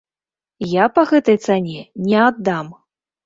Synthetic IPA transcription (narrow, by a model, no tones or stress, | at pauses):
japɐɣɛt̪ɐjt̪sanʲɛnʲɛad̪ːam